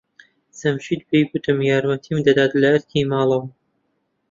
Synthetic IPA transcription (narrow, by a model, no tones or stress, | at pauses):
sɐmʃiːt̪̚bejkut̪ʰɨmjaːɾmɐt̪ʰimd̪ɐd̪aːt̪lɐɐɾkʰimaːlˠɐw